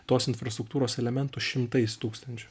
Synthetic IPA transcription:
t̪oːsɪnfɾɐst̪ɾʊk̚t̪uːɾoːsɛlʲɛmʲɛnt̪ʊʃʲɪmt̪ɐɪst̪uːkst̪ɐnʲt͡ʃʲʊ

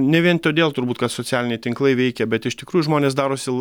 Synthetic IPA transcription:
nʲɛʋʲiɛnt̪oːd̪ʲeːlˠt̪ʊɾbuːt̪kɐt̪soːt͡s̪ʲæːlʲɪnʲɛɪt̪ʲɪŋklˠɐɪʋʲɛɪkʲɛbʲɛt̪ɪʃt̪ʲɪkɾuːjuʊʒmoːnʲeːs̬d̪ɑːɾoːsʲɪ

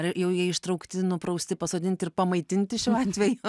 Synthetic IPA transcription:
jɛʊjiɛɪʃt̪ɾɐʊkt̪ʲɪnʊpɾɐʊsʲt̪ʲɪpɐsoːd̪ʲɪnʲt̪ʲɪrpɐmɐɪt̪ʲɪnʲt̪ʲɪʃʲɛʊɑːt̪ʲʋʲɛjʊ

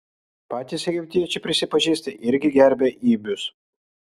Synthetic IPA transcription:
pɑːt̪ʲiːsɛɡʲɪpʲt̪ʲɪjɛt͡ʃʲɛpʲɾʲɪsʲɪpɐʒʲiːsʲt̪ʲɐʔɪɾʲɡʲɪɡʲɛɾʲbʲeːʔiːbʲʊs

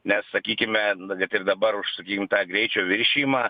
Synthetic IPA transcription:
nʲɛssɐkʲiːkʲɪmʲɛkɐt̪ɪrd̪ɐbɐɾʊʃsɐkʲiːkʲɪmt̪ɑːɡɾʲɛɪt͡ʃʲoːʋʲɪɾʲʃʲiːmɑː

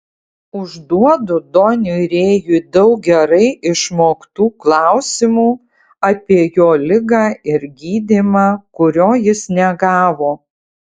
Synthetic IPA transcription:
ʊʒd̪uɔd̪ʊd̪ɔnʲʊɾʲeːjud̪ɐʊk̚ɡʲɛɾɐɪʔɪʃmoːkt̪uːklˠɑˑʊsʲɪmuː | ɐpʲiɛjoːlʲɪɡɑːɪɾɡʲiːd̪ʲɪmɑːkʊɾʲoːjɪsnʲɛɡɑːʋoː

